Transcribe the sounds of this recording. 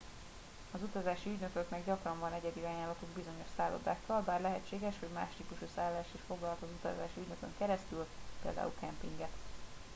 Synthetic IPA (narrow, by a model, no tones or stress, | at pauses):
ɒzut̪ɒzaːʃiyɟnøkøknɛɡɟɒkrɒɱvɒnɛɟɛd̪iajaːlɒt̪uɡbizo̞ɲo̞ʃsaːlo̰d̪a̰ːkːɒlbaːrlɛɦɛt͡ʃːeːɡɛʃho̞ɟma̰ːʃt̪iːpuʃusaːlːaːʃiʃfo̞ɡlɒlɒt̪ɒzut̪ɒ̰za̰ːʃiyɟnø̞køŋkɛɾɛst̪ylpḛːld̪a̰ːṵlkɛmpḭŋɡɛt̪